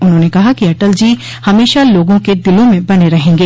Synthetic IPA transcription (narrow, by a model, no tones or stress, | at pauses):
ʊnɦõːnekɐɦakiɐʈəld͡ʒiː | hɐmeːʃaloːɡõked̪ɪlõmẽbɐneɾɐɦẽːŋɡeː